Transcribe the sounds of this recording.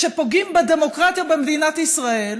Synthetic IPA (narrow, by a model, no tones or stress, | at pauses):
ʃepo̞ɡimbed̪emo̞kʁat̪jabemd̪inat̪isʁae̞l